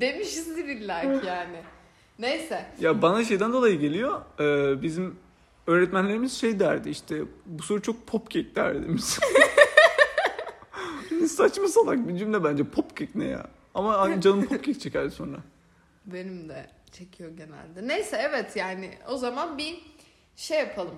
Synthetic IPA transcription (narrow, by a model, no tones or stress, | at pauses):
d̪e̞miʃizd̪iɾiɾlʲæɾkjaːnɪ | nejsɛjabanaʃ̬e̞jd̪ænd̪o̞lˠajɯɟe̞lʲijoɛːbizim | øːɾɛt̪mænlʲe̞ɾimiz̥ʃejd̪æɾd̪iiʃt̪ʰɛbuso̞ɾut͡ʃʰo̞k̚pʰopcʰɛc̚d̪æ̰ɾd̪id̪emiz̥ | nisat͡ʃmasalˠak̚bind͡ʒymd̪ɛbænd͡ʒɛpʰopcʰɛcnɛ̰ja̰ | amaad͡ʒanˠɯmpʰop̚cʰʲɛk̚t͡ʃʰecæɾso̞nɾa̰ | be̞nimd̪ɛ | t͡ʃʰecʰijo̞ɟe̞næ̰lʲd̪ɛnejsɛɛvɛt̪ʰjaːnɪ̰o̞zamanbi | ʃejːapʰalˠɯm